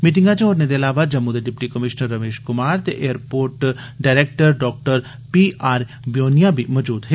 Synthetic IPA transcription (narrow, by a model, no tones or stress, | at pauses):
miːʈ̬ɪ̃ŋɡãt͡ʃẽoːɾned̪eɐlaːʋad͡ʒɐmːuːd̪eɖɪpʈikɐmɪʃnəɾːɐmeːʃkʊmaːɾt̪eʔeːəɾpoːɾʈ | ɖaːɾeːk̚ʈəɾɖɔːk̚ʈəɾ | piaːɾ | bjoːnijabʱimɔːd͡ʒuːd̪ɦe